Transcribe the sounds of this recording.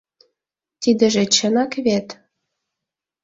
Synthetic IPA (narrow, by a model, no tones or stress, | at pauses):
t̪id̪ə̆ʒĕt͡ɕənɑkβet̪